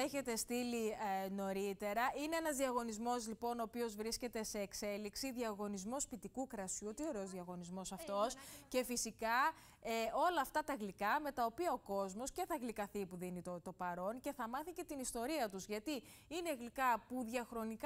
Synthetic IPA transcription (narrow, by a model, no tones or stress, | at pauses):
eçe̞t̪e̞st̪ilino̞ɾit̪e̞ɾɐine̞enɐzðiɐɣo̞nizmo̞zlipo̞noːpio̞zvɾisce̞t̪e̞se̞ːkse̞liksiðiɐɣo̞nizmospit̪ikukɾɐsut̪io̞ɾe̞ozðiɐɣo̞nizmo̞sɐft̪o̞sce̞fisikɐ | eo̞lɐːft̪ɐt̪ɐɣlikɐme̞t̪ɐo̞piɐo̞ko̞zmo̞sce̞θɐɣlikɐθipuðinit̪ot̪o̞pɐɾo̞nce̞θɐmɐθice̞t̪inist̪o̞ɾiɐt̪uzʝɐt̪i | ineɣlikɐpuðʝɐxɾo̞nik